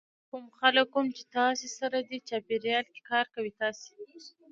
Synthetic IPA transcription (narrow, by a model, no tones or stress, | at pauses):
kumxaləkːumt͡ʃe̥t̪ɑsesaɾad̪it͡ʃɑpeɾjɑlke̥kɑɾkawit̪ɑse̥